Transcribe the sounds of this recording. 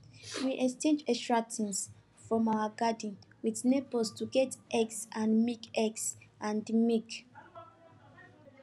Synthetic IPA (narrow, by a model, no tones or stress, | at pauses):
wiʔɛst͡ʃẽnd͡ʒɛstɹatʰĩns | fɹɔ̃mawaɡadĩnwidnebɔstuɡɛtʔɛɡsãnmikɛɡsãndmik